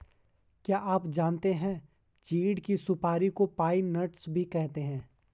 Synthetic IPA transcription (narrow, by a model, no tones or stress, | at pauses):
kjaːʔaːpd͡ʒaːnt̪eɦɛ̃ | t͡ʃiːɖkisʊpaːɾikopaːinɐʈsbʱikɛɦt̪eɦɛ̃ː